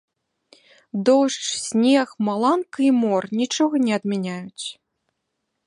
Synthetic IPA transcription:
d̪ɔʂt͡ʂsʲnʲexmalˠankɐimɔrnʲit͡ʂɔɣɐnʲɛɐd̪mʲɛnʲajut͡sʲ

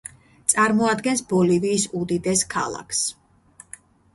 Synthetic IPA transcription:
t̪sʼaɾmɔad̪ɡɛnsbɔliviːsud̪id̪ɛskʰa̰lˠa̰kʰs

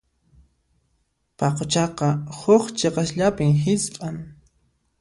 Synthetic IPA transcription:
pɑqot͡ʃɑqɑhʊχt͡ʃeqɑʃʎapɪmhɪsqʼaŋ

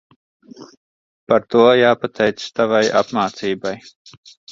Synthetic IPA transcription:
paɾt̪uɔjaːpat̪ʰɛjt̪st̪avaja̰pmaːt̪siːbaj

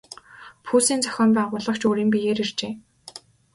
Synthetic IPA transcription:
pʰuːsiːnt͡sʰœ̥xʲɔːmpæːʁʊɮə̆kt͡ɕuːɾiːmpijeːɾirt͡ɕeː

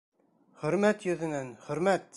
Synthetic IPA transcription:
χɵ̆ɾmæt̪jɵ̆ðɘ̆nænχɵ̆ɾmæt̪

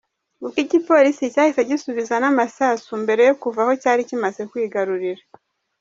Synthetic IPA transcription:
ukicipo̞ɾisicaːhiseɟisuβizanamasaːsumbe̞ɾe̞jo̞kuvaho̞caːɾicimaze̞kwiːɡaɾuɾiɾa

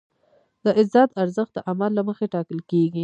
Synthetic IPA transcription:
d̪əʔɪzɑd̪aɾzəxt̪̚d̪əʔamalːaməxeʈɑkəlkeɡi

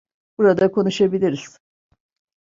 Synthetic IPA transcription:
b̥uɾad̪akʰo̞nuʃabilʲiɾiz̥

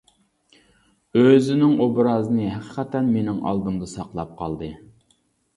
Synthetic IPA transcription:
øzɪnɪŋobɾɑzɨnɨɦæqʰə̥qʰɛt̪ɛnmenɪŋɑ̰lˠd̪ɨmd̪ɨsɑqlˠɑp̚qʰɑ̰lˠd̪ɨ

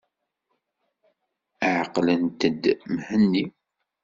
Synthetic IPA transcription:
əʕqlənt̪əd̪mhənːi

